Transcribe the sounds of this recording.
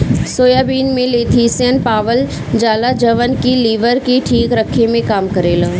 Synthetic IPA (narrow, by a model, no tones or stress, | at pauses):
soːjaːbiːnmẽleːt̪ʰisjənpaːʋəl | d͡ʒaːlad͡ʒəʋənkiliːʋəɾkiʈʰiːkɾəkʰːemẽkaːmkəɾeːlə